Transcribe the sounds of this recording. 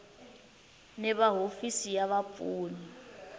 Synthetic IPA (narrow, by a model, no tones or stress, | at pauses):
nɛβaɦofisijaβapfʼuːni